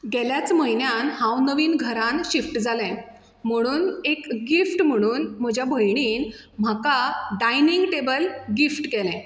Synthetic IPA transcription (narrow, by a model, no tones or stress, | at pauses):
ɡɛljat͡sməɦinjanhãwnəʋiːnɡʱəɾãnɕifʈd͡zalɛ̃ | m̤əɽ̃uːnekɡifʈm̤əɽ̃uːnm̤əd͡ʑʱjabʱəjɳ̃iːn | m̤akaɖajniŋɡʈebəlɡifʈkɛlɛ̃